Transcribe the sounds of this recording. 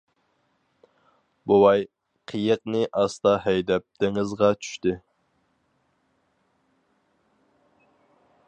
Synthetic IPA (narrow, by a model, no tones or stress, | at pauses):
bowɑj | qʰəjəq̚nɪʔɑst̪ɑɦɛjd̪ɛp̚t̪ʰɪŋɨzʁɑt͡ʃʰy̥ʃt̪ɪ